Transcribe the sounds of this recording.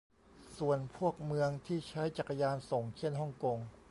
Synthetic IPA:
su˨˩ənpʰu˥˩ək̚mɯ˧əŋt̪ʰiː˥˩t͡ɕʰa˦˥jt͡ɕa˨˩ka˧jaː˧nso˨˩ŋt͡ɕʰe˥˩˨nɦɔ˥˩ŋko˧ŋ

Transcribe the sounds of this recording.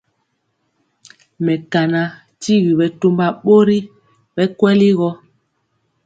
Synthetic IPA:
mɛ˨ka˨na˨ | ti˦ɣi˨ɓɛ˨to˦mba˨ɓo˦ɾi˦ | ɓɛ˦kwɛ˦li˦ɣɔ˦

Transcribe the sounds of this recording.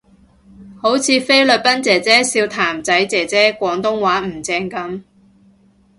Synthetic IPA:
ho˨˥wt͡sʰiː˨˧fe˥jlɵ˨t̚pɐ˥nt͡sɛː˨t͡sɛː˥siː˧wt̪ʰaː˨˩mt͡sɐ˨˥jt͡sɛː˨t͡sɛː˥kʷɔː˨˧˥ŋt̪ʊ˥ŋwaː˨˥m̩˨˩t͡sɛː˧ŋkɐ˨˥m

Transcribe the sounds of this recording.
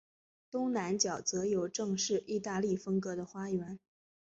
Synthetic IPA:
t̪ʊ˥ŋna˧˥nt͡ɕjɑ˨˩ʊt͡sɤ˧˥jo˨˩ʊʈ͡ʂɤ˥˧ŋʂɻ̩˥˧ʔi˥˧t̪a˥˧li˥˩fɤ˥ŋkɤ˧˥d̪ə˧xwa˥jɥɛ˧˥n

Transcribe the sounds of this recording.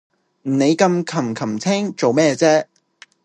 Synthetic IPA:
m̩˨˩ne˨˧jkɐ˧mkʰɐ˨˩mkʰɐ˨˩mt͡sʰɛː˥ŋt͡so˨wmɛː˥˧t͡sɛː˥

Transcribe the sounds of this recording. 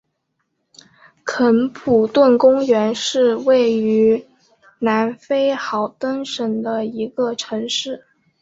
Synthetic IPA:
kʰə˧˥npʰu˨˩t̪wə˥˩nkʊ˥ŋɥɛ˧˥nʂɻ̩˥˧we˥˩ɪy˧˥ | na˧˥nfe˥ɪxɑ˧˩ʊt̪ə˥nʂə˨˩ŋd̪ə˧i˧˥ɡə˧ʈ͡ʂʰɤ˧˥ŋʂɻ̩˥˩

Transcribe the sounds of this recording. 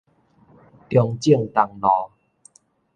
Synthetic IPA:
t̪jɔ˧ŋt͡ɕi˥˩əŋt̪a˨˩ŋnɔ̃˨˦

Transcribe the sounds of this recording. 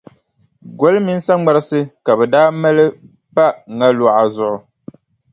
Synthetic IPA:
ɡo˦lmi˦n̩˦sa˦ŋ͡ma˦ɾɨ˦sɨ˦ka˨bɛ˨daː˦mɛ˦lɨ˦ | pa˦ʔŋa˦lu˨ʔa˨zʊ˨ʔʊ˨

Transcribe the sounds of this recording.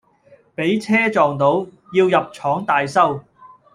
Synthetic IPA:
pe˨˥jt͡sʰɛː˥t͡ʃɔː˨ŋt̪o˨˥w | jiː˧wjɐ˨p̚t͡ʃʰɔː˨˥ŋt̪aː˨jsɐ˥w

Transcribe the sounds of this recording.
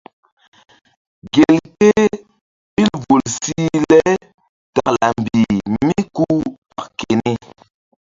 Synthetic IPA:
ɡe˨lke˦ | bi˦lvo˨lsi˦lɛ˦ | ta˨kla˨m̩˨bi˨mi˦ku˦pa˦˨kke˨ni˦

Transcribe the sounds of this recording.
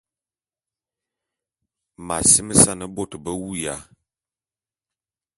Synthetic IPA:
ma˨si˦mə˦sa˦˨nə˨bo˦˨tbə˦wu˦ja˨˦

